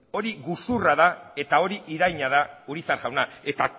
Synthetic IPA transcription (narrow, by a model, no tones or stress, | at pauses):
o̞ɾiɣusuraðae̞t̪ao̞ɾiʔiɾajɲaðauɾisaɾɣawnae̞t̪a